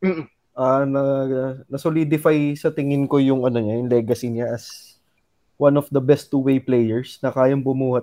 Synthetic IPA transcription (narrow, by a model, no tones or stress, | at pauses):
m̩ | ʔaːnɐnɐsolid̪ɪfajsɐt̪ɪŋɪnkojʊŋʔɐnoɲajʊŋlɛːɡɐsiɲaʔɐs | wanɔfd̪ɐbɛst̪ːuwejplɛjɛɹsnɐkaːjɐmpʊmuːhɐ